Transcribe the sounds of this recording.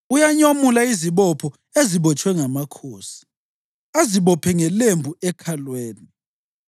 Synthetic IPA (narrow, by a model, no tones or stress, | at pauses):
ujaɲomulaiziβɔpʰɔ | eziβɔt͡ʃʼwɛŋamakʰoːsi̥ | aziβɔpʰɛŋɛlembʱuɛkʰalweːni